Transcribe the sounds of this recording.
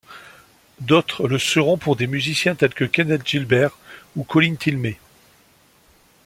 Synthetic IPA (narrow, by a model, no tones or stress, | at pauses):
d̪ot̪χləsəʁɔ̃puʁd̪emyzisjɛ̃t̪ɛlkəkʲanɛt̪ʒilbɛʁukɔlint̪ilme